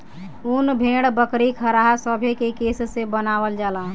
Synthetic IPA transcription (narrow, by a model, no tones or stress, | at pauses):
unbʱeɽbəkɾikʰəɾaɦasəbʱekekessebənawəld͡ʒala